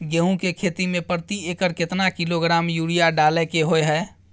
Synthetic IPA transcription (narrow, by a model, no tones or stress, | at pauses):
ɡeːɦũkekʰeːt̪imẽpəɾət̪ieːkəɾkɪt̪nakɪloɡɾaːmjuːɽijaɖaːlekeɦoeɦɛː